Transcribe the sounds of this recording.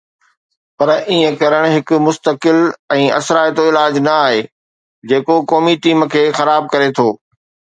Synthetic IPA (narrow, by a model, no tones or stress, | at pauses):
pɐɾʔiːə̃kɐɾəɽ̃ɦɪkʊ̆mʊst̪əkɪlɛ̃ːɐ̰sɾaːɪt̪oɪlaːd͡ʑnɐaːɦeː | d͡ʑeːkokɔːmiʈiːm̆kʰeːxɐɾaːb̚kɐɾet̪ʰoː